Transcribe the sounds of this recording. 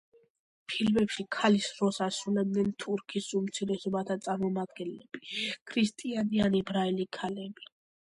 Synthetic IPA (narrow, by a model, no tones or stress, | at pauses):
pʰilmɛpʃikʰalisɾɔsasɾulɛb̚nɛnt̪ʰuɾkʰisumt̪sʰiɾɛsɔbat̪ʰat̪sʼaɾmɔmad̪ɡɛnlɛb̥ikʰɾist̪ʼianianibɾaɛlikʰalɛbi